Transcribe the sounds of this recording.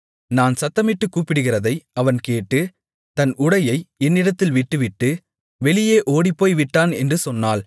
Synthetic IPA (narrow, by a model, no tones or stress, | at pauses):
naːnsɐt̪ːɐmɪʈːɯkːuːpːɪɽɯɣɪrɐðɐɪɐʋɐnkeːʈːɯ | t̪ɐnʊɽɐjɐɪɛnːɪɽɐt̪ːɪlʋɪʈːɯʋɪʈːɯ | ʋɛɭɪjeːʔoːɽipːoːjʋɪʈːaːnɛndrɯsɔnːaːl